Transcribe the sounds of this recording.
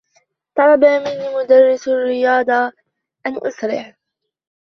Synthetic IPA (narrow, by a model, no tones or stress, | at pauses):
t̪ˤɑlɑbamɪnːimʊd̪arːɪsarːɪjɑːd̪ˤɑ | ʔanʔʊsɾɪ̰ħ